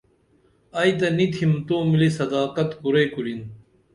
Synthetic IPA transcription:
ɐjt̪̬ɐnit̪ʰimt̪oːmilisɐd̪aːqɐt̪kuɾeːkulin

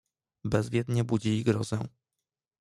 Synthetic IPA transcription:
bɛzvʲjɛd̪ɲɛbud͡ʑilʲiɡɾɔzɛ̰̃

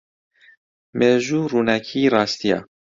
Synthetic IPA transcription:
meːʒuːɾuːnɛkʰiːɾɑːst̪ijɑ̰

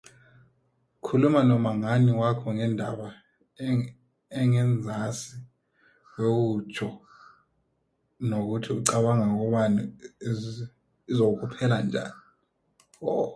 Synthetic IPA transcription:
kʰulumanɔmaŋaniwakʰɔŋɛndʱaɓa | ɛŋɛnd͡zʱasi | wek̬ut͡ʃʰʼɔ | nok̬utʰiuǀaɓaŋak̬ɔɓanu | izok̬uk̬ʰʼupʰɛland͡ʒʱa̰ːni | ɔ

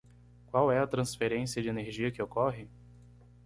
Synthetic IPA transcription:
kwawɛɐt̪ɾɐ̃sfeɾẽsiɐd͡ʒɪeneɾʒiɐkɪokɔɦɪ

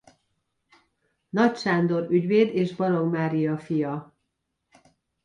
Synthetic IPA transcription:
nɒcʃaːnd̪o̞ɾyɟveːd̪eːʒbɒɾo̞ɡmaːɾijɒfijɒ

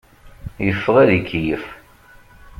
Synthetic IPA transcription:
jəfːəʁæðikʰːijəf

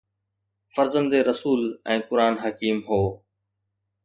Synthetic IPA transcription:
fəɾzənd̪eːɾəsuːlɛ̃ːkʊɾaːnɦəkiːmɦoː

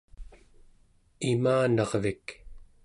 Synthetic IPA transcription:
imaːnɑʁvik

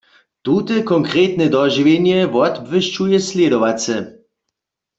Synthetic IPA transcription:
t̪ut̪ɛkɔŋkʁeːt̪nɛd̪ɔʒivenjɛʋɔd̪bvəʃt͡ʃujɛslʲjɛd̪oʋat͡sɛ

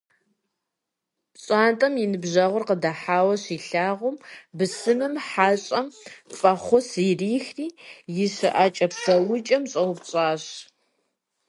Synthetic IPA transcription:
ɕʼaːntʼɐmjɪnɨbʑɐʁʷʊrqədɐħaːwɐɕiːɬaːʁʷʊmbɨsɨmɨmħaːɕʼɐmfʼɐχʷʊsɪriːxriːjɪɕɨʔaːt͡ʃʼɐpsɐwʊt͡ʃʼɐmɕʼɐwʊpɕʼaːɕ

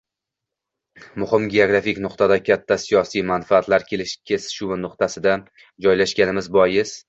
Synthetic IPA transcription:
mʊhɪmɡʲe̞oɡɾafɪkʲnʊqt̪ad̪akʲʰat̪ʰːasijɒsijmanfaat̪laɾkʲʰe̞lɪʃkʲʰesɪ̥ʃunʊq̚t̪asɪd̪a | d͡ʒɒjlaʃɡʲanɪmɪzbɒjɪz̥

